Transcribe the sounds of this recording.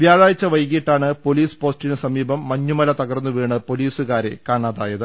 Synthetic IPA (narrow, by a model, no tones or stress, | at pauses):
ʋjaːɻaːjit͡ɕːɐʋɐjkiiʈːaːɳɨpo̞liːspo̞ːsʈinɨsɐmiːbɐmːɐɲːumɐlɐt̪ɐɣɐrnːuʋeːɳɨpo̞liːsuɣaːɾḛkaːɳaːðaːjɐðɨ